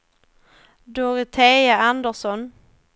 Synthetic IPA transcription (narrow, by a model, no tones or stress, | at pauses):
d̪oɾɪt̪ʰeːjaand̪əʂɔn